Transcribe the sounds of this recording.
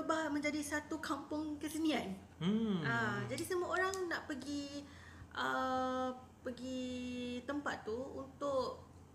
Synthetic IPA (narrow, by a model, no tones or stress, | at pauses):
əbamə̃ɲd͡ʒadisat̪ukampʊŋkəsənĩan | ad͡ʒadisəmuaoɾaŋnaʔpəɡi | ʔə | pəɡit̪əmpat̪ːuunt̪ʊʔ